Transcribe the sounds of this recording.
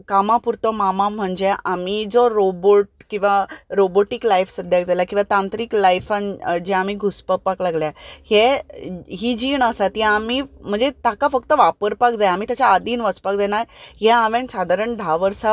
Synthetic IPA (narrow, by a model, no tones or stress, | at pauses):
kamapuɾt̪ɔmamãm̤əɳd͡ʑeʔamid͡zɔɾoboʈ̚kĩw̃ʋaɾoboʈiklajfsəd̪ʱjakd͡zalakĩw̃ʋat̪ãnt̪ɾiːklajfand͡ʑeamiɡʱuspəpaklaɡljahe | ɦid͡ʑiɳəsat̪iamim̤əɳd͡zet̪akafək̚t̪əʋapəɾpakd͡zajamit̪jat͡ɕaːd̪iːnʋəspakd͡zanajɦɛ̃aʋẽnsad̪ʱaɾəɳɖʱaʋəɾsa